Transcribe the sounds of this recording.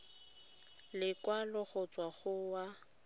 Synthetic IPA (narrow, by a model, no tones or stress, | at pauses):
lɪkwalʊɣʊt͡sʼwaɣʊwa